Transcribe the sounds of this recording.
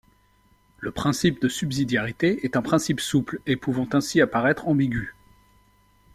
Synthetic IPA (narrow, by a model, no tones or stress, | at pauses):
ləpχɛ̃sip̚d̪əsybzid̪jaʁit̪eɛt̪ɛ̃pχɛ̃sipsuplepuvɑ̃t̪ɛ̃siapaʁɛt̪χɑ̃biɡʲy